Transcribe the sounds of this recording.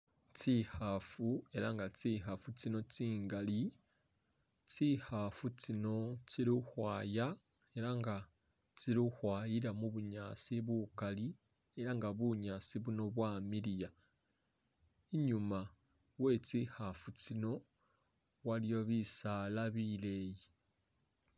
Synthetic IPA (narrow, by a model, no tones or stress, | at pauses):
t͡ʃihafue̞ɾaŋɡat͡siɦafut͡sino̞t͡siːŋɡali | t͡sihafut͡ʃino̞t͡ʃiɾuhwaːja | e̞ɾaŋɡa | t͡ʃiɾuhwaːjiɾamuβuɲasiβukali | e̞ɾaŋɡaβuɲasiβuno̞βwaːmiɾija | iɲuma | we̞t͡sihafut͡sino̞ | walijo̞βisalaβileji